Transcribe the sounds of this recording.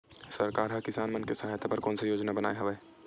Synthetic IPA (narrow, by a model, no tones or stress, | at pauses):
sɐɾkaːɾɦɐkɪsaːnmənkesɐɦaːjt̪ʰapɐɾkɔːnsejoːd͡ʒnabəna̰ːeɦɐʋɛː